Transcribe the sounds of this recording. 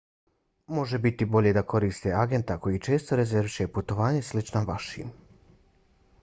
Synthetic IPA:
mo̞ʒebit̪ibo̞ʎe̞d̪ako̞ɾiːst̪eaɡe̞nt̪akojit͡ʃe̞ːst̪o̞ɾezeɾʋiʃeput̪o̞ʋaːɲeslit͡ʃnaʋaʃḭːm

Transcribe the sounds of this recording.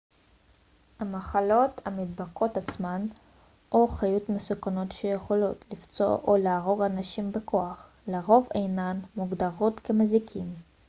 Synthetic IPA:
hamaχalo̞thamid̚bakʰo̞tat͡sman | ʔoχajutmesukanotʃejeχo̞lo̞tʰlift͡so̞̰ʔoleaʁo̞ʁanaʃimbekʰo̞aχ | leʁo̞vejnanmuɡdaʁo̞tkemezikʰim

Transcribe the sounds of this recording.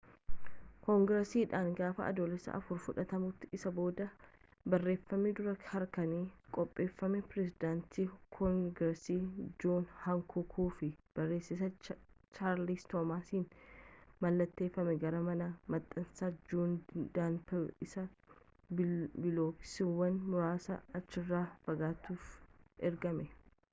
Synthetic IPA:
kɔŋɡɾɛsiːᶑaːŋɡaːfɐ̰ʔɐ̰d̪oːlɛsːɐ̰ʔɐ̰fʊɾfʊᶑɐt̪ɐmʊt̪ːɪɪsɐbo̞ːd̪ɐ | bɐrːe̞ːfːɐmɛd̪ʊɾɐhɐɾkɐniːkʼɔpʼːe̞ːfːɐmɛpɾɛsɪd̪aːnt̪iːkʰɔŋɡɾɛsiːd͡ʒuːnhɐŋkʰʊkʰuːfɪb̥ɐrːe̞ːsːɪsɐ | t͡ʃaːɾlist̪oːmaːsiːn | mɐlːɐt̪ːe̞ːfːɐmɛɡɐɾɐmɐnɐmɐt̪ʼːɐnsaːd͡ʒoːnd̪aːntɐɪsɐ | bbɪloːpɪ̥sɪwːɐnmʊɾaːsɐ̰ɐt͡ʃːɪrːaːfɐɡaːt̪uːfʔɛɾɡɐmɛ

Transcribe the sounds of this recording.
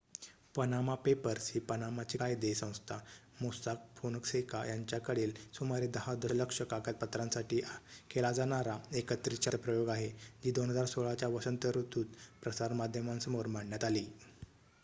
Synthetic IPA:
pənamapepəɾsiːpənamat͡ɕikajd̪esə̃w̃st̪ʰa | mosak̚fʰonəksekajaɲt͡ɕjakəɽeːlsumaɾid̪əɦad̪ələkʂəkakət̪̚pət̪ɾãnsaʈiːkʰelad͡zaɳ̃aɾaekət̪ɾit͡ɕaɾpɾəjoɡaɦed͡ʑiːd̪onɦəd͡zaɾsoɭat͡ɕjaʋəʂənt̪əɾut̪uːt̪pɾəsaɾmad̪ʱjəmãnsəmoɾm̤aɳjat̪aliː

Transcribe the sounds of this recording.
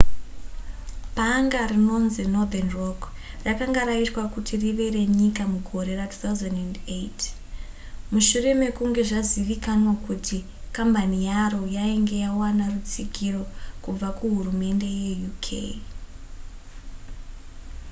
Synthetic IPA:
paŋɡarino̞nzinod̪anrok | rakaŋɡaɾaitwakutʰiriʋe̞re̞ɲikamuɡʱo̞ɾe̞ratʰu̥t̪awzandandejt | muʃure̞me̞kuŋɡe̞ʐaziʋikanwakutʰi | kambanijaro̞jaiŋɡe̞jawanarut͡siɡʱiro̞kub͡vakuɦurume̞nde̞jejukʰḛj

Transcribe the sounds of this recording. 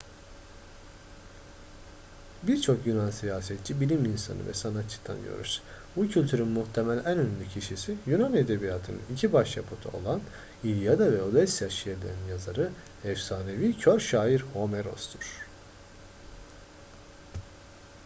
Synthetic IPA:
biɾt͡ʃʰo̞kjunansijaːsɛt̪̚t͡ʃʰibilʲimlʲinsa̰nɯ̰vɛ̰sanat̪t͡ʃʰːɯ̥kt̪ʰa̰nɟø̰ɾʔy̰z̥ | bucʰylʲt̪ʰyɾynmuht̪ʰemælʲænønylʲycʰiʃisijynane̞d̪e̞bijat̪ʰɯnɯnicʰibaʃja̰pʰot̪ʰṵo̞̰lˠan | ilʲjad̪avɛolˠɛsijaʃijeɾlʲeɾninjazaɾɯ | ɛfsaːne̞vicʰøɾʃaːiɾho̞meɾo̞̰sd̪ʰuɾ̥

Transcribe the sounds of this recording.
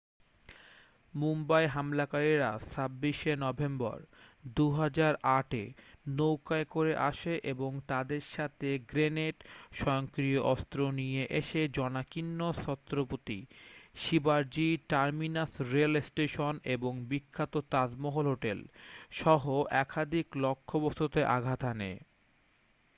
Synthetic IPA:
mumbaeɦamlakaɾiɾasʰabːiʃenɔbʱembɔ̰ɾd̪uɦad͡ʑaɾʔaʈenowkaekoɾeʔa̰ʃeʔeboŋt̪ad̪eɾʃat̪ʰeɡɾeneʈʃɔjoŋkɾioʔɔst̪ɾonijeʔeʃed͡ʑɔnakinːosɔt̪ːɾopot̪iʃibaɾd͡ʑiʈaɾminasɾelesʈeʃoneboŋbikʰːat̪ot̪azmɔɦolɦoʈelʃɔɦoʔɛkʰad̪ʱiklokʰːobost̪ot̪eʔaɡʱat̪ʰanḛ

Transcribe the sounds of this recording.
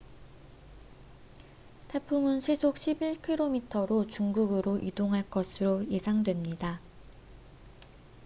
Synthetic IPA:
tʰepʰuŋɯnɕʰisʰok̚ɕʰibiɭkʰiɾomitʰʌɾot͡ɕuŋɡuɡɯɾoʔidoŋɦaɭk͈ʌsʰɯɾoje̞sʰaŋdwe̞mɲida

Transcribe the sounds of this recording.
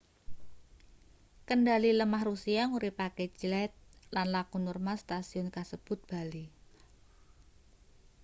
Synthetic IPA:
kəndaliləmahrusiaŋuɾipakɛd͡ʒlɛt̪̚lanlakunurmast̪asiɔnkasəb̥ʊt̪̚b̥a̤li

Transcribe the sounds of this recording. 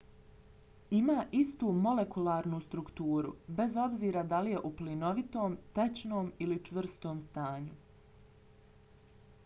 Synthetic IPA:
imaːʔist̪uːmo̞le̞kulaːɾnust̪ɾukt̪uːɾṵbe̞zo̞bziːɾad̪alije̞ʔuplino̞ʋit̪o̞ːmt̪et͡ɕnoːmilit͡ʃʋr̩st̪oːmst̪aːɲu

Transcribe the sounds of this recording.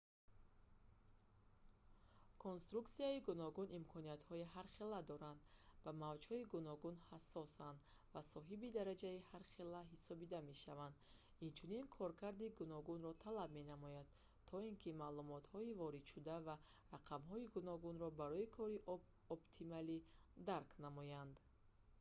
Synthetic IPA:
kʰonst̪ɾukt̪siaiɡunɔɡunʔimkʰɔnijat̪hɔiɦaɾχelad̪ɔɾand̪bamavd͡ʒhɔiɡunɔɡunhasːɔsand̪ | vasɔɦibid̪aɾad͡ʒaihaɾχelaɦisɔbid̪ame̞ʃavand̪ | int͡ʃʰuninkʰɔɾkʰaɾd̪iɡunɔɡunɾɔt̪ʰalab̚me̞namɔjad̪̥ | t̪ʰɔinkʰimalumɔt̪hɔivɔɾid̪ʃud̪ava | raqʰamɦɔiɡunɔɡunɾɔbaɾɔikʰɔɾiʔ | ɔbt̪ʰimalid̪aɾkʰnamɔjand̪

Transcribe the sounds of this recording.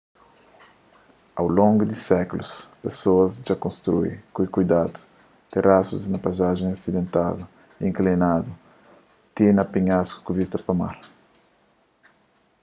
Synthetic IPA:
a̰wlõŋɡud̪isɛkuluspesoɐzd͡ʒakõnst̪ɾṵjkujkujd̪ad̪u̥ | t̪erʔasuznɐpazaʒẽŋasid̪ẽnt̪a̰d̪u | ĩŋklinad̪u | t̪ĩnɐpiɲasku̥kuvist̪ɐpɐma̰ɾ

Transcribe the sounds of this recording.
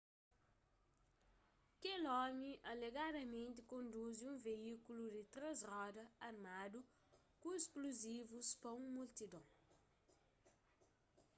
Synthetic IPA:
kelɔmiʔɐleɡad̪ɐmẽnt̪ɪkõnd̪uziũveikulud̪ɪt̪ɾezrɔd̪ɐɐɾmad̪u | kũeskluzivuspɐũmult̪id̪õw̃

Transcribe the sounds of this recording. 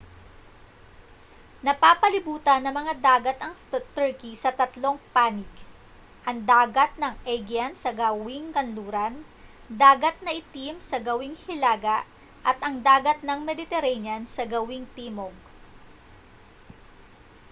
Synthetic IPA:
nɐpaːpɐlɪbuːt̪ɐnːɐŋmɐŋad̪aːɡɐt̪ɐŋt̪ɛɹkisɐt̪ɐt̪lo̞ŋpaːnɪk | ʔɐŋd̪aːɡɐt̪̚nɐŋʔɛɡjɐnsɐɡɐwɪŋkɐnluːɾɐn | d̪aːɡɐt̪̚nɐʔɪt̪imsɐɡɐwɪŋhɪlaːɡɐʔ | ʔɐt̪ɐŋd̪aːɡɐt̪̚nɐŋmɛd̪ɪt̪ɛɾɛnjɐnsɐɡɐwɪŋt̪iːmoɡ̚

